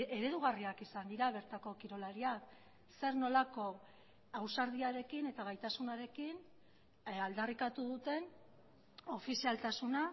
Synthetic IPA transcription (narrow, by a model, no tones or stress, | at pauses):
e̞ɾe̞ðuɣariakisand̪iɾaβe̞ɾt̪ako̞kiɾo̞laɾiak | se̞ɾno̞lako̞ | awsaɾð̞iaɾe̞kine̞t̪aɣ̞ajt̪asunaɾe̞kin | ald̪arikat̪uð̞ut̪e̞n | o̞fisialt̪asuna